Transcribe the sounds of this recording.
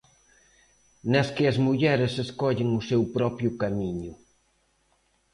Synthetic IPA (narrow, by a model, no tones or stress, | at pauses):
nɐskɪɐzmuʎɛɾɪseskɔʎɪŋʊsewpɾɔpjʊkamiɲʊ